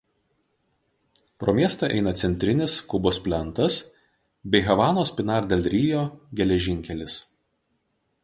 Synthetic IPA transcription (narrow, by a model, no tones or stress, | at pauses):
pɾoːmʲiɛst̪ɐʔɛ̰ɪnɐt̪sʲɛnʲt̪ʲɾʲɪnʲɪskʊboːspʲlʲɛnˑt̪ɐs | bʲɛɪɦɐʋɑːnoːsʲpʲɪnɑːɾd̪ʲeːlʲɾʲiːjoːɡʲɛlʲɛʒʲɪŋʲkʲɛlʲɪs